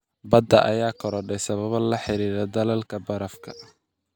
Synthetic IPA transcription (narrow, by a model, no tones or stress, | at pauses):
bɐd̪ɐʔɐjaːkʰɔɾɔɖɛjsɐβɐβɐlɐħɪɾiːɾɛd̪ɐlɐlkʰɐbɐɾɐfkʰɐ̥